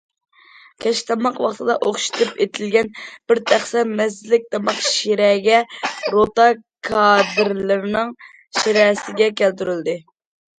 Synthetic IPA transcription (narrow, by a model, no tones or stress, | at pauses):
kʲʰɛʃt̪ʰɑmɑqwɑχt̪ʰɨd̪ɑʔoχʃi̥t̪ʰɨpet̪ʰɪlɡʲɛnb̥ɪɾt̪ʰæχsɛmɛsːlɪk̚ʲt̪ʰɑmɑqʃiɾɛɡʲɛɾot̪ɑkʰɑd̪ɪɾlɪɾnɨŋ | ʃiɾɛsɪɡʲɛkʲælt̪yɾyld̪ɨ